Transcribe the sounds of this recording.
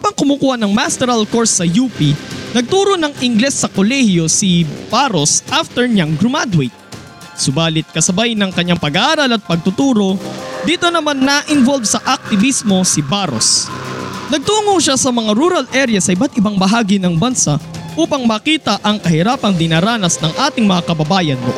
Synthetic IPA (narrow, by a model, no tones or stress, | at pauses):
abɐŋkʊmuːkuːhɐnɐŋmast̪ɛɾɐlko̞ɹsːɐjuːpinɐɡ̚t̪uːɾo̞nɐŋɪŋɡlɛsːɐkolɛhjo̞sib̥aɾo̞sʔaft̪ɛɹɲaŋɡɾʊmad̪wɪt̪̚ | sʊbaːlɪt̪̚kɐsɐbajnɐŋkɐɲːaŋpɐɡɐʔaːɾɐlɐt̪̚pɐɡ̚t̪ʊt̪uːɾo̞d̪iːt̪o̞nɐmanːɐʔɪnvolvsɐʔɐk̚t̪ɪvismo̞sɪbaɾo̞̰s | nɐɡ̚t̪uːŋoŋʃasɐmɐŋaɾuɾɐlʔɛɾjɐsɐʔɪbat̪̚ʔɪbaŋbɐɦaːɡɪnɐŋbɐnsaʔuːpɐŋmɐkiːt̪ɐʔɐŋkɐhɪɾaːpɐŋd̪ɪnaːɾaːnɐsnɐŋʔaːt̪ɪŋmɐŋakɐbɐbaːjɐnːo̰ʔ